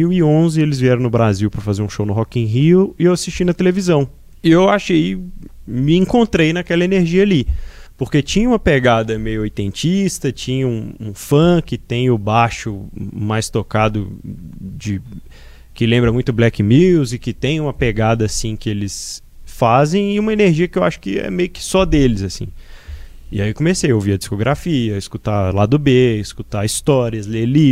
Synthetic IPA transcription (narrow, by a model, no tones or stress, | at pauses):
iwiõzɪelɪzviɛɾɐ̃w̃nʊbɾaziwpɾɐfazeɾũʃownʊɦɔkĩɦiwɪewasist͡ʃinɐt̪elevizɐ̃w̃ | ɪewaʃej | mɪẽŋkõnt̪ɾejnakɛlɐeneɾʒiɐalipoɾket͡ʃĩɲɐũmɐpeɡad̪ɐmejʊoɾt̪ẽnt͡ʃist̪ɐt͡ʃĩɲɐũũfɐ̃kɪt̪ẽj̃ʊbaʃʊmajst̪okad̪ʊ | d͡ʒɪ | kɪlẽmbɾɐmũj̃t̪ʊblɛkɪmiwzɪkɪt̪ẽj̃ũmɐpeɡad̪ɐːsĩkɪelɪs | fazẽj̃ɪũmɐeneɾʒiɐkɪewaʃʊ̥kɪɛ̰mejʊkɪ̥sɔd̪elɪzasḭ̃ | ɪaikõmesejowviɐd͡ʒiskoɡɾafiɐɪskut̪alad̪ʊbeɪskut̪aist̪ɔɾiɐzleli